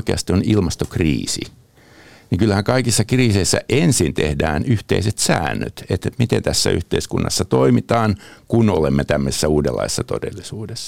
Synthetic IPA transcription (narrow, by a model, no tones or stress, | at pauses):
keɑst̪ionilmɑst̪okrḭːsḭ | niŋkylːæhæŋkɑikisːɑkriːseisːæ̰ʔensint̪ḛhdæːnyht̪eiset̪sæːnːø̰t̪et̪mit̪ent̪æsːæ̰y̰ht̪eiskunːɑ̰sːɑt̪oimit̪ɑːnkunolemːet̪æmːøse̥sːæuːdelːɑ̰ise̥sːɑt̪odḛlːisuːdesːɑ̥